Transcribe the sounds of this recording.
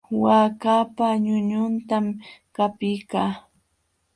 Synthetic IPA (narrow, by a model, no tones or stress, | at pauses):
waːkapaɲʊɲʊnt̪am | kapɪjkaː